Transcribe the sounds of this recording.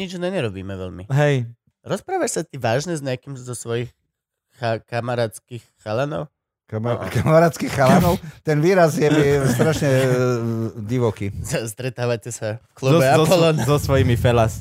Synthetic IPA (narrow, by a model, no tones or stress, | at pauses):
ɲid͡ʒnɛɲɛɾɔbiːmɛʋɛ̰ʎmḭɦɛj | ɾɔspɾaːʋaʃsat̪iʋaːʒɲɛzɲɛakimzɔsʋɔjix | xakamaɾaːt͡skixxalanɔ̰ʊ | kamaɾaːt̪skixxalɛnɔʊt̪ɛnʋiːɾazjɛmist̪ɾaʃɲɛ | ɟiʋɔkiast̪ɾɛt̪aːʋacɛsafklubɛaɔpɔlɔnazɔsʋɔjimifɛlas